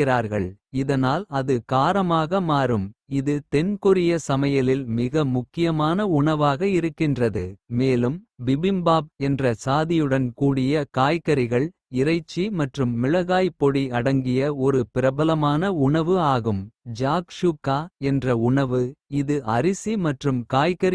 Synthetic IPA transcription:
ɪɾaːɾɣɐɭɪðɐnaːlɐðɯkaːɾɐmaːɣɐmaːɾɯmɪðɯt̪ɛnkʊɾɪjɐsɐmɐjɐlɪlmɪɣɐmʊkːɪjɐmaːnɐʊɳɐʋaːɣɐɪɾɯkːɪndrɐðɯmeːlɯmbɪbɪmbaːb̚ɛndrɐsaːðɪjɯɽɐnkuːɽɪjɐkaːjkɐɾɪɣɐɭ | ɪɾɐɪt͡ʃːimɐʈrɯmːɪɭɐɣaːjpːɔɽiɐɽɐŋɡɪjɐɔɾɯpɪɾɐbɐlɐmaːnɐʊɳɐʋɯaːɣɯmd͡ʒaːkʂukːaːɛndrɐʊɳɐʋɯɪðɯʔɐɾɪsimɐʈrɯmkaːjkɐɾ

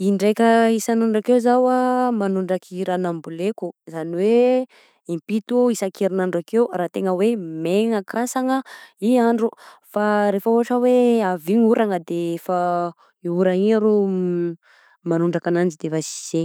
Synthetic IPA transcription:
iɳɖ͡ʐejkʲəisanuɳɖ͡ʐakewzawamanuɳɖ͡ʐakiɾanambulekuzaniwe | impit̪uisakʰeɾinaɳɖ͡ʐakewraːt̪eŋəwemeŋakʰasaŋəiaɳɖ͡ʐufaɾefəoaʈ͡ʂəweaviɲuɾaŋəd̪efa | euɾaiɲaɾu | manuɳɖ͡ʐakanand͡ʒid̪efasi̥se

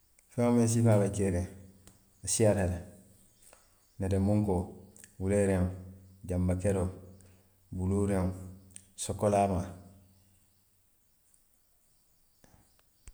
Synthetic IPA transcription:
feŋomẽns̬imabakeɾẽ | asiaɾele | neɾemuŋkowuleɾeŋɟambakeɾo | buluɾeŋ | sokolaːma

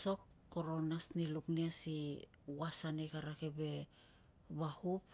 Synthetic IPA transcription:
so̞p̚ | ko̞ɾonasnilukniasi | wasanekaɾakebe̞ | bahup

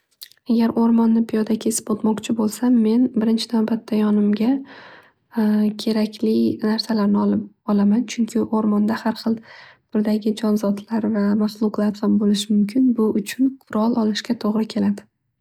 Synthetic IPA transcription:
aɡʲaɾoɾmɒnːɪpʰɪjɒd̪akʲʰe̞sɪ̥pot̪mɒqt͡ʃʰɪbolˠsamːe̞nbɪɾɪnt͡ʃʰɪnawbat̪ʰːajɒnɪmɡʲa | kʲʰe̞ɾakʲʰlɪnaɾsalaɾnɪɒlɪpɒlamant͡ʃʰʊŋkʲʰɪʔoɾmɒnd̪ahaɾχɨlˠb̥ɪɾd̪aɡʲɪd͡ʒɒnzɒt̪ʰlaɾvamaslˠʊqlˠaɾχambolɪʃɪmʊmkʲʰɪnbʊʔʊt͡ʃʰʊnqʰʊɾɒlˠʔɒlɪʃɡʲat̪ʰoʁɾɪkʲʰe̞lad̪ɪ

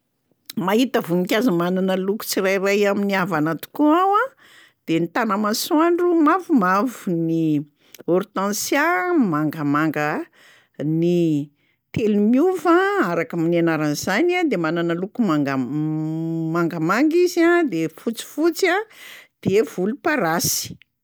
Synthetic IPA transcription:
maɦit̪əvunikʲazamananəluku̥t͡siɾajrajaminiavanat̪u̥kuawa | d̪̥enit̪anəmasuaɳɖ͡ʐumavumavuni | ɔɾt̪ãnsjamaŋɡəmaŋɡə | ni | t̪elumiuvãaɾakaminianaɾanizanad̪emananəlukumaɡa | maŋɡəmaŋɡiziad̪efut͡si̥fut͡sad̪̥evulupaɾasi̥

